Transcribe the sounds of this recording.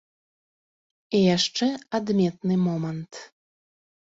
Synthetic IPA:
ejaʃt͡ʃɛad̪mʲet̪nɨmɔmənt̪

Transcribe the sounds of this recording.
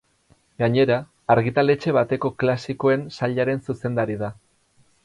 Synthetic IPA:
ɡaɲe̞ɾaː | ɾɣit̪ale̞t͡ʃe̞βat̪e̞ko̞klasiko̞e̞nsaʎaɾe̞nsuse̞nd̪aɾiða

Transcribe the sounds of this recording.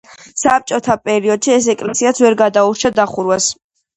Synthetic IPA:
sap̚t͡ʃʼɔt̪ʰapʼɛɾiɔd̪̥ʃiɛsɛkʼlɛsiat̪sʰvɛɾɡad̪auɾt͡ʃʰad̪aχuɾwas

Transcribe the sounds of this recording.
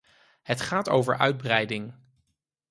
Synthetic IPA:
ɦətχaːto̰wvə̰ɹʔœ̰ɥd̚brɛjdɪŋ

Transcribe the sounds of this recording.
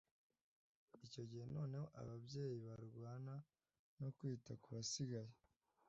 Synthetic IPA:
ico̞ɟihe̞no̞ːne̞ho̞ʔa̰βabje̞ːjiβaɾɡwaːna | no̞kwiːtakuβasiɡaje

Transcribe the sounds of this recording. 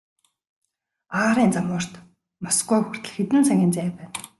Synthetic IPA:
aːɾiːnt͡samʊːr̥t̪ | masɡujxʊr̥t̪ə̆ɮxet̪ɘ̆nsæŋɡʲiːnt͡sæːpæːn

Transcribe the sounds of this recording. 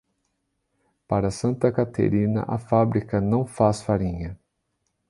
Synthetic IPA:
paɾɐsɐ̃nt̪ɐkat̪ḛɾĩnɐ̰ʔɐfabɾikɐnɐ̃w̃fasfaɾĩɲɐ

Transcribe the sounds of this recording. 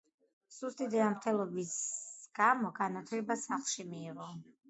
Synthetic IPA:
sust̪ʼid̪ɛamɾt̪ʰɛlˠɔbisɡ̥amɔɡanat̪ʰlɛbasaχlˠʃimiːʁɔ

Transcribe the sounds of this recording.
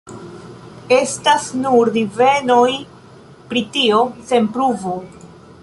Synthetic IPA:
e̞stasnuɾdive̞no̞j | pɾitio̞se̞npɾuvo

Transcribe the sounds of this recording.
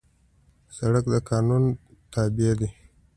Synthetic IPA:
saɽakd̪əkɑːnunt̪abied̪i

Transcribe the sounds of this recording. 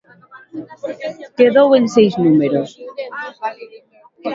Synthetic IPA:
keðowe̞nsejznumeɾos

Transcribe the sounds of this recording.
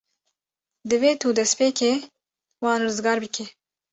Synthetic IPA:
d̪ɨveːt̪ʰuːd̪ɛspeːkʰeː | wɑːnrɨzɡɑːɾbɨkʰɛ

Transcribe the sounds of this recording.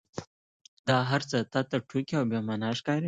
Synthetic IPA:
d̪ɑɦaɾt͡sət̪ɑt̪aʈʰukiawbjɑmanɑʂkɑɾi

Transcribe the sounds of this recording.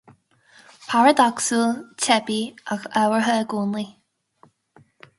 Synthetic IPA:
pʰaɹəd̪ɔksəlˠtʰɛbiaxɛwəɹɦəɡuːnli

